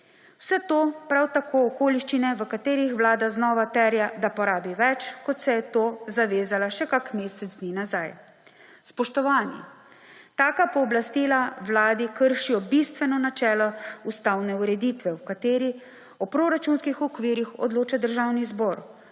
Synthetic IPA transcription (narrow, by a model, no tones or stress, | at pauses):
wsɛt̪oːpɾawt̪akoːɔkoːliʃt͡ʃinɛʋəkat̪eːɾixʋlaːd̪aznɔːʋat̪ɛɾjad̪apɔɾaːbiʋɛt͡ʃkɔt̪sɛjɛt̪oːzaʋeːzalaʃɛkakmeːsɛzd̪ninazaj | spɔʃt̪ɔʋaːnjḭ | t̪aːkapɔːblast̪ilaʋlaːd̪ikəɾʃijɔbist̪ʋɛnɔnat͡ʃɛːlɔust̪awnɛuɾɛd̪iːt̪ʋɛwkat̪eːɾi | ɔpɾoːɾat͡ʃunskixɔkʋiːɾixɔ̰d̪loːt͡ʃad̪əɾʒawnizbɔɾ